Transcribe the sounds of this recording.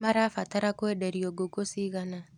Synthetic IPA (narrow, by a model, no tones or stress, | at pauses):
maɾafataɾakwɛdɛɾioɡoɡosiɣana